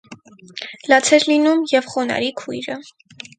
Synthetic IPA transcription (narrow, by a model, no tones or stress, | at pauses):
lɑt͡sʰɛɾlinumjɛvχɔnɑ̰ɾikʰujɾə